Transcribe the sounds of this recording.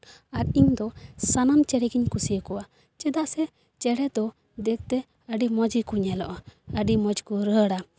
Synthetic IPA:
aɾiɲd̪ɔsanamt͡ʃɛɽɛɡiɲkusijəkɔwa | t͡ʃɛd̪aʔsɛ | t͡ʃɛɽɛd̪ɔ | d̪ɛk̚t̪ɛ | əɖimɔd͡ʒikuɲɛlɔʔɔəɖimɔd͡ʒkɔɾəɽa

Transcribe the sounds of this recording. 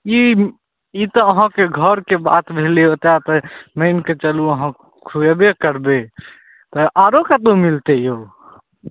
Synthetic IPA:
i | it̪ɔːɦãkeɡʱəɾkeba̰t̪bʱeleot̪at̪əməɪnket͡ʃəluəɦã | kʰuebekəɾbe | t̪ɔʔaɾokat̪ũmilt̪ejo

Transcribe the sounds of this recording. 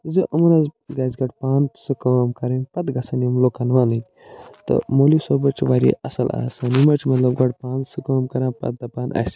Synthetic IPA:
zɨʔɐmɐɾazɡaːzɡɐʈpaːnt̪sɨkəmkɐɾɐnpɐt̪ɡɐsɐnimloːkanʋaːnɨnʲ | t̪ɐ̰molisoːbɐt͡ʃiʋaɾḛʔɐsɐla̰ːsɐnimɐt͡ʃmɐt̪lɐbɡɐʈpaːnt̪sɨkəmkɐɾãpɐ̰t̪̚d̪ɐpaːna̰si̥

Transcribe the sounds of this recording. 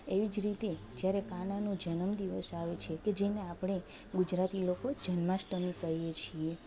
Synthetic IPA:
eʋid͡ʒɾit̪ed͡ʒjaɾekananũd͡ʒənəmd̪iʋəsaʋet͡ʃʰeked͡ʒeneapɳe | ɡud͡ʒɾat̪ilokod͡ʒənmasʈəmikəɦijet͡ʃʰie

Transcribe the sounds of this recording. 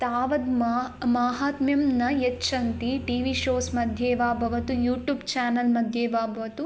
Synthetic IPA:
t̪aːʋɐd̪mmaːɦaːt̪mjɐmnɐjet͡ʃɐnt̪iʈiːʋiʃoːsmɐd̪ʱjeːʋaːbʱɐʋɐt̪ujuːʈjuːbt͡ʃaːnɐlmɐd̪ʱjeːʋaːbʱɐʋɐt̪u

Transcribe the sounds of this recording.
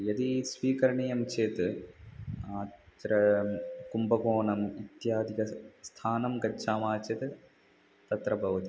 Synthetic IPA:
jɐd̪isʋiːkɐɾɐɳijɐmt͡ʃeːt̪ɨ | aːt̪ɾɐkumbɐkoːnɐmit̪jaːd̪ʱikɐst̪ʰaːnɐmɡɐt͡ʃʰaːmaːt͡ʃet̪ɨ | t̪ɐt̪ɾɐbʱɐʋɐt̪i

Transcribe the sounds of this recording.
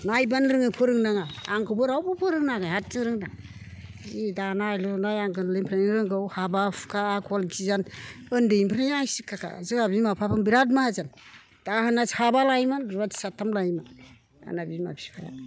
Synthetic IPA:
najbanɾɯŋɯpʰɯɾɯŋnaŋaːŋkʰɯbɯɾawbɯpʰɯɾɯŋnaɡahat̚zɯŋɾɯŋnaŋ | zidanajlɔnajaŋɡɯnlɯmpʰɾanɾɯŋɡɯwhabafkʰaːkʰɔlɡʰizanɯndɯimpʰɾajajsikʰːakʰa̰zɯŋabimapʰapʰɯmbiɾad̬mahazan | d̥ahanasabalajmanɾβatsatʰːamlajma | a̰nabima̰pʰi̥pʰaɾa̰

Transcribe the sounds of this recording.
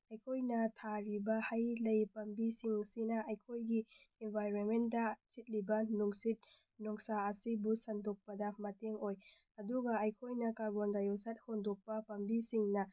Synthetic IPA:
ɐjkʰojnɐtʰaɾibɐhajlɐjpɐmbisiŋsinɐʔɐjkʰojɡi | enbʱajɾonmendɐt͡ʃit̚libɐnuŋsit̚ | nɔŋsaːsibusɐndok̚pɐdɐmɐteŋoj | ɐduɡɐɐjkʰojnɐkaɾɡondajosat̚hondok̚pɐpɐmbisiŋnɐ

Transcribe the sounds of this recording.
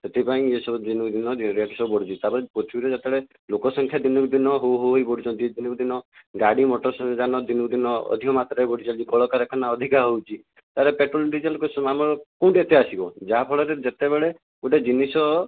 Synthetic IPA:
set̪ʰipaĩesɔbud̪inɔd̪inɔɾiaʈisɔbubɔɽit͡ʃ̪it̪apɔɾepot͡ʃ̪ʰibiɾed͡ʒat̪ɛɭe | lokɔsɔŋkʰjad̪inɔɡd̪inɔɦoɦoojbɔɽit͡ʃɔ̃nt̪id̪inɔbud̪inɔɡaɽimɔʈɔɾsd͡ʒanɔd̪inɔbud̪inɔɔ̰d̪ʱikɔmat̪ɾbɔɽit͡ʃʰalikɔɭɔkaɾekʰɔnaɔd̪ʱikaɦowt͡ʃʰi | t̪aɾepeʈɾoliɳɖid͡ʒalkɔmamɔɭɔkũɳʈet̪easibɔd͡ʒaɦapʰɔɭɔɾed͡ʒet̪ebeɭe | uʈed͡ʒinisɔ

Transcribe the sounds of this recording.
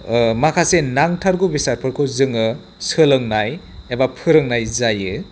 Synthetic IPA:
makʰasenaŋtʰaɾɡubisaɾpʰɯɾkʰɯwzɯŋɯ | sɯlɯŋnaj | ebapʰɯɾɯŋnajzajɯ

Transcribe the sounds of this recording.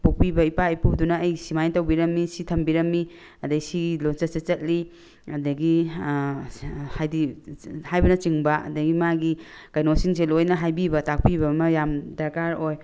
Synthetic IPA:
puk̚pibɐipaijpudunɐːjsimajtɐwbiɾɐmːisitʰɐmbiɾɐmːi | ɐdɐɡisilont͡ʃɐsɐt͡ʃɐt̚li | ɐdɐɡi | hajdihajbɐnɐt͡ʃiŋbɐɐ̰dɐɡimaɡi | kajnosiŋselojnɐɦajbibɐtak̚pibɐmɐjamdɐɾkaɾoj

